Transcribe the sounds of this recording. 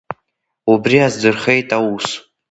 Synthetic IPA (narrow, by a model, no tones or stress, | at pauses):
ubriazdɨrχejtʼaus